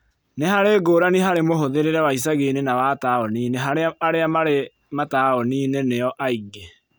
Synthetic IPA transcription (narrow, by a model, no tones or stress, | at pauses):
nehaɾeɡoːɾaniɦaɾemoɦoðeɾeɾɛwais̬aɣenenawataːɔniːneɦaɾaɾeamaɾe | mataɔniːneneɔʔaiɡe